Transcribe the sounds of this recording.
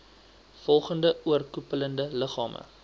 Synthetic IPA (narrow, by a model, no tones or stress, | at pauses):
fɔlˠχəndəuərkupələndələχɑːmʔə̰